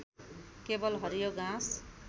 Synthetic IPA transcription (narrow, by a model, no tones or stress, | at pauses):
kebʌlɦʌɾijoɡãs